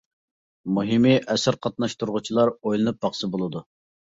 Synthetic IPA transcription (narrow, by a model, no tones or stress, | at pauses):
muɦimɪʔɛsɪɾqʰɑt̪̚nɑʃt̪uɾʁʊt͡ʃʰilˠɑɾojlˠɨnɨp̚bɑχsɨbolˠɨd̪u